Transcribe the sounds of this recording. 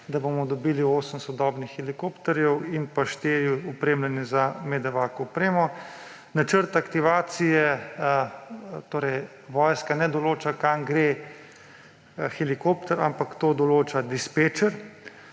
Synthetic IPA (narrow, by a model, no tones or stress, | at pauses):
d̪abomɔd̪ɔbilioːsəmsɔd̪ɔːbnixːɛlikoːpt̪ɛɾjɛwinpaʃt̪eːɾjiupɾeːmlanjɛzamɛd̪ɛʋaːkɔupɾeːmɔ | nat͡ʃəɾt̪akt̪iʋaːt̪sijɛ | t̪oːɾɛj | ʋɔːjskanɛd̪ɔloːt͡ʃakaŋɡɾe | xɛlikopt̪ɛɾa̰mpakt̪oːd̪ɔloːt͡ʃad̪ispet͡ʃəɾ